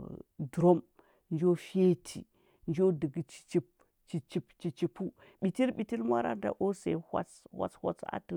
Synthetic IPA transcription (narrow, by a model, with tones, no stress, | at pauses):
du˨ɾo˦m | nd͡ʒo˦fe˦tʰḭ˨ | nd͡ʒo˦də˨ɡi˨t͡ʃi̥˨t͡ʃi˦p̚ | t͡ʃi˨t͡ʃi˦pt͡ʃi˨t͡ʃi˨pu˦ | ɓi˨ti˦ɾɓi˨ti˦lmʷa˦ɾa̰˦da̰˨ʔo˦se˨hʷa̰˦t͡shwa̰˦t͡shʷa̰˦t͡sa̰˦tu˨